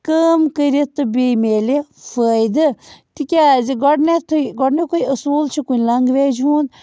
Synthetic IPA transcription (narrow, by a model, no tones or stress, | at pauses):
kəːmkəɾit̪ːɨbemeːlefəjd̪ɨt̪ikʲaziɡɔɽnet̪ʰuɡɔɖnekoiɐsuːlt͡ʃʰikunʲlɐŋɡʋeːd͡ʒuːnd̪